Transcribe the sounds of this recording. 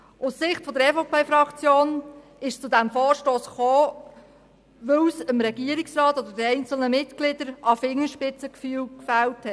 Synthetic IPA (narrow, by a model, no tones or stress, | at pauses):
ʊssɪχtfɔd̪əɾɛfoʊpeːfɾɑkt͡sjoːn | ɪʃt͡sʊdæmfoːɾʃtoːsχoː | ʋøwsəmɾɛɡiəɾɪksɾɑːtod̪əɾdiɛɪnt͡sl̩nəmɪtɡ̥lɪdəɾɑfɪŋːəʃpɪt͡səkfyːwkfæwthɛt